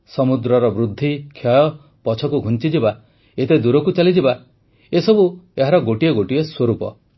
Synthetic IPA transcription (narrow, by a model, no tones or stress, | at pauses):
sɔmud̪ɾɔɾɔbɾud̪ʱːikʰjɔjɔ | pɔt͡ʃʰɔkuɡʱunt͡ʃid͡ʒiba | et̪ed̪uɾɔkut͡ʃalid͡ʒiba | esɔbueɦaɾɔɡoʈieɡoʈieswoɾupɔ